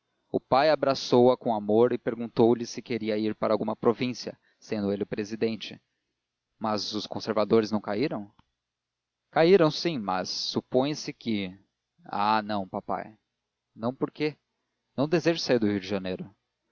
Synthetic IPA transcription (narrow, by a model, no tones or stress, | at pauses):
ʊ̰pajabɾasowɐkõamoɾɪpeɾɡũnt̪owlɪsɪkeɾiɐiɾpaɾawɡũmɐpɾovĩsiɐ̰ | sẽnd̪ʊelɪʊpɾezid̪ẽnt͡ʃɪ̰ | mɐzʊskõseɾvad̪oɾɪznɐ̃w̃kaiɾɐ̃w̃ | kaiɾɐ̃w̃sĩmɐ̰sːupõj̃sɪkɪ | a̰nɐ̃w̃papa̰j | nɐ̃w̃poɾke | nɐ̃w̃d̪ezeʒʊsaiɾd̪ʊhiʊd͡ʒɪʒɐnejɾʊ